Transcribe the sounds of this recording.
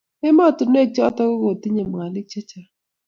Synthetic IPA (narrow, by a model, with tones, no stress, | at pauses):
ɪ˦mɔ˦˨tʊ˨ne˦˨t͡ʃɔ˦tɔ˦ko˦ɡo˨tɪ˦ɲe˨m˨a˨lɪ˦t͡ʃe˦t͡ʃa˨